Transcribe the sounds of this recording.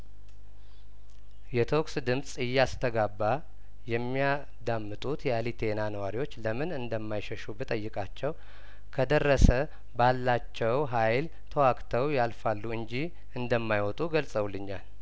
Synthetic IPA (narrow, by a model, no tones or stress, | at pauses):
jɛt̪ʰo̞ksd̪ɨmsʼɨjːast̪ʰəɡabːa | jɛmːija | d̪amːɨt̪ʼut̪jɛalit̪ʰe̞nanəwaɾiwo̞t͡ʃːləmɨnɨnd̪əmːajʃəʃubɨt̪ʼəjːɨkʼat͡ʃːɛw | kʰəd̪ərːəsə | balːat͡ʃːɛwɦajl | t̪ʰəwakʼt̪ʰəwjalfalːuɨnd͡ʒi | ɨnd̪əmːajwɔt̪ʼuɡəlsʼəwlːɨɲːa̰l